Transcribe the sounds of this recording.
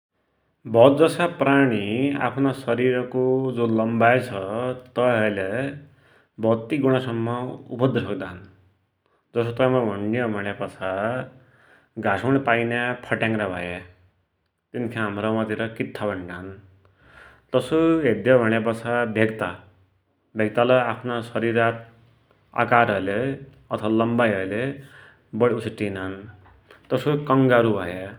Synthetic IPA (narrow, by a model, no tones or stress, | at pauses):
bʱʌt̪̚d͡zʌsapraɽ̃ia̰pʰnasʌɾiɾʌkod͡zolʌmbajt͡sʰʌt̪ʌɦʌjle | bʱʌt̪ːiɡuɽ̃asʌmːʌṵpʌd̪ʱisʰʌk̚d̪an | d͡zʌsot̪ʌmabʱʌɳijʌbʱʌɽ̃epʌt͡sʰa | ɡasʰoɽ̃ipajnjapʰʌʈjãŋɾabʱʌ̰je | t̪inkʰãɦamɾʌmat̪iɾʌkit̪ʰːabʱʌɳɖan | t̪ʌsoɦed̪jʌbʱʌɽ̃ep̬ʌt͡sʰabʱeɡt̪a | bʱeɡ̚t̪alʌapʰnasʌɾiɾat̪̚ | a̰kaɾʌɾle | ʌt̪ʰʌwalʌmbajʌɾle | bʌɽiusʰiʈinan | t̪ʌsokʌŋɡaɾubʱʌje